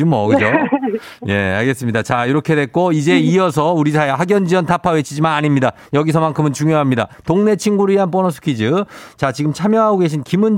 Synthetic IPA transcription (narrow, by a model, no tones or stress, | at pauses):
ɯmʌɡɯd͡ʑo | je̞a̰ɭɡe̞s͈ɯmɲidat͡ɕaiɾʌkʰe̞dwe̞k͈oid͡ʑe̞iʌsʰʌuɾisʰaehaɡjʌnd͡ʑiʌntapʰawe̞t͡ɕʰid͡ʑimanaɲimɲida | jʌɡis̬ʰʌmankʰɯmɯnt͡ɕuŋjoɦamɲida̰toŋnet͡ɕʰinɡuɾɯɭiɦanp͈ʌnʌs̬ʰu̥kʰid͡ʑɯt͡ɕat͡ɕiɡɯmt͡ɕʰamjʌɦaɡoɡe̞ɕ̬ʰinkimun